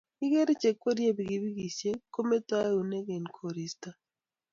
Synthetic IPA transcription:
i˦ɡe˦ɾe˦t͡ʃe˨kwo˦ɾje˦bi˨ɡi˨bi˦ɡi˨sje˦ko˦me˦ta˦u˨ne˦ɡe˨nkʰo˨ɾi˨sta˨

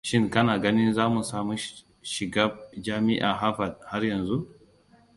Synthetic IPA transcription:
ʃɪ˦ŋkɐ˦naː˨ɡɐ˦nɪ˦nzaː˦mu˨saː˦mu˦ | ʃɪ˨ɡaː˦d͡ʒaː˦mɪ˦ʔa̰˨ɦa˦ɸɐ˨d̚ha˦rjɐ˨nzu˦ʔ

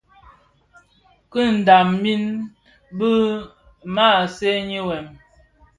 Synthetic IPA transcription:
kə˦n̩˨da˨mmi˦n | bə˦ | ma˦˨se˦ɲi˦wɛ˨m

